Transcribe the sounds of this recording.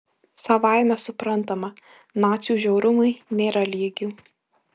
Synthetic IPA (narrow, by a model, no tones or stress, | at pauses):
sɐʋɑˑɪmʲɛsʊpɾɐnˑt̪ɐmɐ | nɑːt̪sʲjuːʒʲɛʊɾʊmʊɪnʲeːɾɐlʲiːɡʲuː